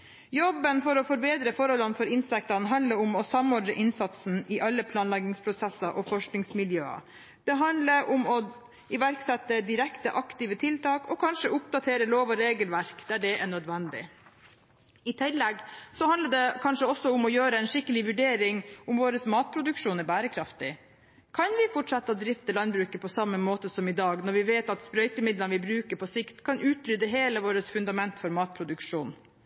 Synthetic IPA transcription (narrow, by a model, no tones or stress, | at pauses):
jɔbːənfɔɾɔfɔɾbeːd̪ɾəfɔɾhɔlːənfɔɾɪnsɛk̚t̪ɑnɦɑnd̪ləɾʊmɔsɑmːɔɖɾəʔɪnsɑt̪sn̩ɪʔɑlːəpʰlɑːnlɑɡɪŋspʰɾʊsɛsːɑʔɔfɔʂknɪŋsmɪljø̰ːɑ̰ | d̪̥ɛɦɑnd̪ləɾʔʊmɔ | ɪʋæɾksɛt̪ːəd̪ɪɾɛkt̪əʔɑkt̪ɪʋət̪ʰɪlt̪ɑːkʰɔkʰɑnʂəʊp̚d̪ɑt̪ʰeːɾəloːʋɔɾeːɡəlʋæɾkd̪æɖɛʔæɳød̪ʋɛnd̪ɪ̰ | ɪt̪ʰɪlːɛɡsɔhɑnəɖɛkʰɑnʂəɔsːɔʊmɔjøːɾəɛɪnʂɪkːəlɪʋʉɖeːɾɪŋʊmʋoːɾəsmɑːt̪̚pʰɾʊd̪ʉkʂuːnæɾbæːɾəkʰɾɑft̪ɪ | kʰɑnʋɪfɔʈʂɑt̪ːəd̪ɾɪft̪əlɑnbɾʉːkəpʰɔsɑmːəmoːt̪əsɔmɪd̪ɑːɡnɔɾʋɪʋeːt̪ɑt̪spɾœʏt̪əmɪd̪lənʋɪbɾʉːkəɾpʰɔsɪkt̪kʰɑnʔʉːt̪ɾʏd̪əɦeːləʋoːɾəsfʉnd̪ɑmɛnt̪fɔɾmɑːt̪̚pʰɾʊd̪ʉkʂuːn